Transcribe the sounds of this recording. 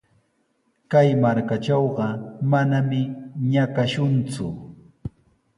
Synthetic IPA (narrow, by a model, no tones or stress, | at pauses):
kajmaɾkat͡ʃɑwɢɑmanamɪɲakaʃʊnt͡sʊ̰